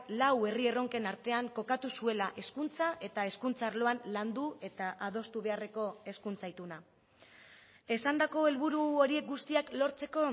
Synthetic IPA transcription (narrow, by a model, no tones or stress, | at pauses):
lawe̞rie̞ro̞ŋke̞naɾt̪e̞aŋko̞kat̪usue̞laʔe̞skunt͡saʔe̞t̪ae̞skunt͡saːɾlo̞anland̪ue̞t̪aʔað̞o̞st̪uβe̞are̞ko̞e̞skunt͡sait̪una | e̞sand̪ako̞e̞lβuɾuo̞ɾie̞k̚ɡust̪iaklo̞ɾt͡se̞ko̞